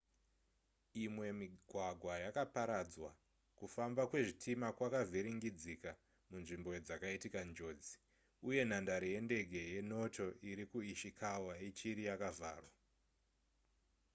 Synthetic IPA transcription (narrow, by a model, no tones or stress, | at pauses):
imwe̞miɡʱwaɡʱwajakapaɾad͡zwa̰ | kufambakwe̞ʐitʰimakwakavʱiɾiŋɡid͡zika | munʐimbo̞d͡zakaitikand͡ʒo̞ːd͡zi̥ | uje̞n̤andaɾije̞nde̞ɡʱe̞je̞no̞to̞ʔiɾikuiʃikʰawaet͡ʃiɾijakava̰ːrwa